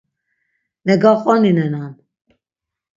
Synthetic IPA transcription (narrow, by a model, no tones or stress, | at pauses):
mɛɡɑχʼɔninɛnan